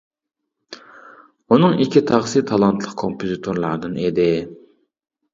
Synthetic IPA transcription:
unɨŋikʲʰit̪ʰɑʁsɨt̪ʰɑlˠɑnt̪ʰlˠəq̚kʰompʰozit̪ʰoɾlˠɑɾd̪ɨned̪ɪ

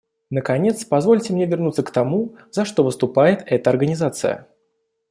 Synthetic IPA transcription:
nəkɐnʲet̪spɐzvo̞lʲtʲɪmnʲevʲɪrnut̪səkt̪ɐmuzɐʂt̪o̞vɨst̪ʊpajɪt̪ɛt̪əɐrɡənʲɪzat̪sɨ̰jə̰

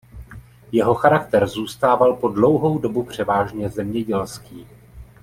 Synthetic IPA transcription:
jɛɦo̞xaɾakt̪ɛɾzuːst̪aːvalpo̞dlo̞wɦo̞wdo̞bupr̝̥ɛvaːʒɲɛzɛmɲɛɟɛlskiː

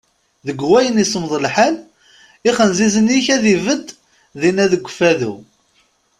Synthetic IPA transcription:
ðəɡʷwæjənisəmðˤəlħal | iχənzizəniçæðivəd̪ | ðinæðəɡʷːəfæðṵ

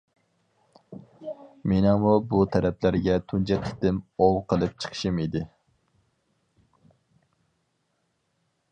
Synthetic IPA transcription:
menɑŋmubut̪ʰɛɾɛplæɾɡʲɛt̪ʰunt͡ʃʰɛk̪ʲʰɪ̥t̪ɪmowqʰəlˠɨp̚t͡ʃʰə̥qʰə̥ʃɨmid̪ɪ

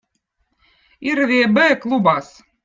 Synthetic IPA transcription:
iɾvʲiɛbɛklˠubɑs

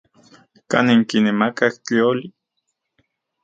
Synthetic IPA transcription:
ka̰neŋkinemakakt͡ɬioli

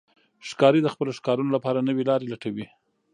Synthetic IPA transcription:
ʃkɑɾid̪əxpəloʃkɑɾunolapɑɾanəwelɑɾelaʈawi

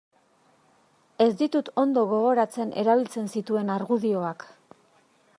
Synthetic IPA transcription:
e̞zd̪it̪ut̪o̞nd̪o̞ɣ̞o̞ɣ̞o̞ɾat͡se̞nʔe̞̰ɾaβ̞ilt͡se̞nsit̪ue̞naɾɣuðio̞ak

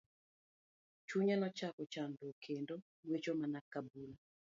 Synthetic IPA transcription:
t͡ʃuɲanɔt͡ʃakɔt͡ʃandokʰendo | wet͡ʃomanakabula

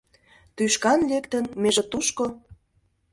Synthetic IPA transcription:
t̪yʃkɑnlekt̪ə̆nmeʒĕt̪uʃko

